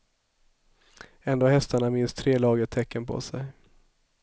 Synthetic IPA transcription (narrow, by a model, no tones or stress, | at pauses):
ɛnd̪oːhɛst̪aɳamɪnst̪ʰɾeːlɑːɡət̪ʰɛkːənpʰɔ̰sɛj